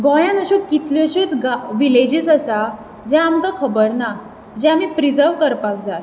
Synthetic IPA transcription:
ɡɔ̃jãnəɕukit̪ʰljəɕiːt͡sɡaʋiled͡ʑiːsəsa | d͡ʑɛ̃amk̪akʰəbəɾna | d͡ʑɛ̃amiːpɾid͡zəɾʋkəɾpak̚d͡zaj

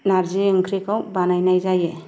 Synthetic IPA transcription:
naɾziŋkʰɾikawbanajnajzaje

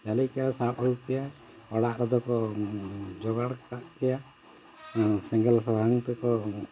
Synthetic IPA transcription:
d͡ʒalikɛjasapɔukɛja | ɔɽaʔɾɔd̪ɔkɔ | d͡ʒɔɡaɽkaʔkɛja | siŋɡɛlsad̪ʱaŋt̪ɛkɔ

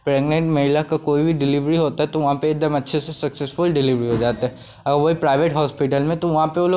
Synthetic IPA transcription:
pɾɛːɡnẽɳʈmɐɦɪlakakoːibʱiɖɪliʋɾiɦoːt̪aɦɛt̪oʋɐɦãpeːk̚d̪əmɐtːʃʰesesɐksesfʊlɖɪliʋɾiɦod͡ʒaːt̪aɦɛ | ɐɡəɾʋoɦipɾaːɪʋeʈɦɔːspiʈəlmẽt̪oʋɐɦãpeoːloː

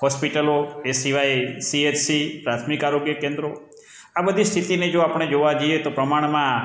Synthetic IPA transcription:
ɦɔspiʈəloesiʋajsiet͡ʃsipɾat̪ʰmikaɾoɡjəkẽnd̪ɾo | abəd̪ʱist̪ʰit̪ined͡ʒoapəɳ̃ed͡ʒoʋad͡ʒəjet̪opɾəmaɳ̃mã

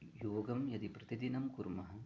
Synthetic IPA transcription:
joːɡɐmjɐd̪ipɾɐt̪id̪inɐmkuɾmɐɦɐ̆

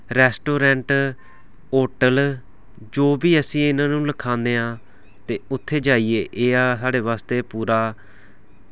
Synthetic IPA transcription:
ɾɛːsʈoːɾɛ̃ːɳʈ | oːʈəl | d͡ʒoːbiːəsĩːɪnãːnũːləkʰãːnd̪eːãː | t̪eːʊt̪ʰːeːd͡ʒaːiːeːʔeːaːsaːɖeːʋaːst̪eːpuːɾaː

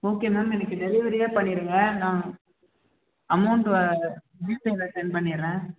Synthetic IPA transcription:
oːkːemɐmɛnɐkːɯɖɛlɪʋɐɾɪjaːpɐɳːɪɾɯŋɡɐnãː | ɐmɐɳɖɯʋɐ | nibɐlɐʈɐnpɐɳːɪɾẽː

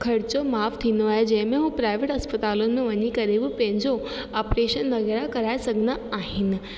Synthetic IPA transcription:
kʰɐɽɪt͡ɕomaːft̪ʰiːnd̪oaːɦed͡ʑɐ̃ɦɪ̃mẽɦũpɾaːɪʋeːʈɐspɐt̪aːlʊnɪ̆mẽʋɐɲikɐɾebɪpɐ̃ɦɪ̃ɲd͡ʑo | aːpɾeːʃənːɐɡəɾakɐɾaːesɐɡʱənaaːɦɪnɪ̆

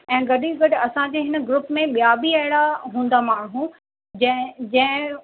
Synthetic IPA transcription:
ɛ̃ːɡɐɗiɡɐɗ̆ɐsãd͡ʑeːɦɪnəɡɾʊpmẽɓijaːbiɐɦɪɽaɦũːn̆d̪amaːɳ̃ɦũ | d͡ʑd͡ʑɐ̃ɦɪ̃

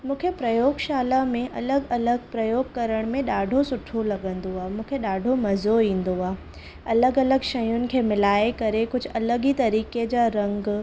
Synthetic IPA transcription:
mũːkʰepɾɐjoːɡʃaːlamẽʔɐləɡɐləɡpɾɐjoːɡ̚kɐɾəɽ̃mẽɗaːɖʱosʊʈʰolɐɠə̃nd̪oaːɦmũːkʰeɗaːɖʱomɐzoĩːnd̪oaːe | ɐləɡɐləɡʃɐjʊnɪ̆kʰeːmɪlaːekɐɾekʊd͡ʑ̆ʱɐləɡit̪ɐɾiːked͡ʑaːɾɐ̃ŋɡ

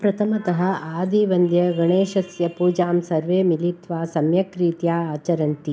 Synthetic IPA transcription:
pɾɐt̪ʰɐmɐt̪ɐɦɐ̆aːd̪iʋɐnd̪ʱjɐɡɐɳeːʃɐsjɐpuːd͡ʒaːmsɐɾʋeːmilit̪ʋaːsɐmjɐkɾiːt̪jaːaːt͡ʃɐɾɐnt̪i

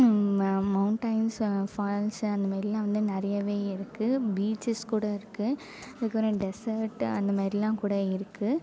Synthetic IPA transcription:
mɐʊɳʈɐɪnsfaːlsɐnd̪ɐmaːd̪ɾɪlãːʋɐnd̪ɯnɛɾɐjɐʋeːɪɾɯkːɯbiːt͡ʃɪskuːɽɐɪɾɯkːɯ | ɐðɯkːɐpɪɾɐ̃ɖɛsɐɾʈɐnd̪ɐmaːd̪ɾɪlãːkuːɽɐɪɾɯkːɯ

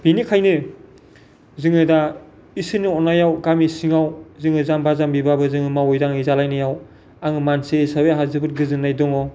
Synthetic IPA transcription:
binikʰajnɯ | zɯŋɯda | isɯniɔnːajawɡamisiŋawzɯŋɯzambazambibabɯzɯŋɯmawɔjɾaŋizalajnɯjaw | aŋɯmansesabeaɦazɯbɯt̚ɡɯzɯnːajdɔŋɔ

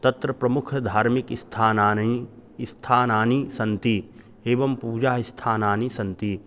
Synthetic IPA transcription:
t̪ɐt̪ɾɐpɾɐmʊkʰɐd̪ʱaːɾmikst̪ʰaːnaː | st̪ʰaːnaːnisɐ̃nt̪i | eːʋɐmpuːd͡ʒaːɦist̪ʰaːnaːnisɐ̃nt̪i

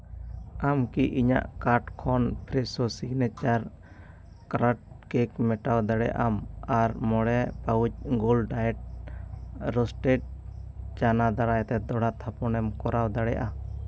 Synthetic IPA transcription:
amkiʔiɲa̰ʔkaɾʈkʰɔnpʰɾɛsɔsiɡnɛt͡ʃaɾ | kɾaʈ̚ | kekmɛʈawd̪aɽɛ̰ʔamaɾmɔɽɛpawut͡ʃ̚ɡɔlɖajɛʈ̚ | ɾɔsʈeʈ̚t͡ʃanad̪aɽajt̪ɛd̪ɔɽat̪ʰapɔnɛmkɔɾawd̪aɽɛʔa

